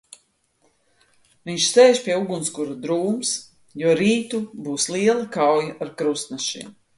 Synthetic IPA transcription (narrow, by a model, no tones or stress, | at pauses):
viɲʃsɛːʃpʲiɛuɡunskuɾud̪ɾuːms | juɔɾiːt̪ubuːsliɛlˠakawjaʔaɾkɾust̪naʃḭɛm